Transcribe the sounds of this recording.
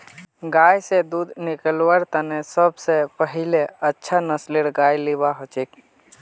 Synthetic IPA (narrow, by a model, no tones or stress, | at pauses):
ɡajsẽd̪ud̪nikəlwəɾt̪ənesəbsepəɦileətːʃʰanəsleɽɡajliβaɦot͡ʃek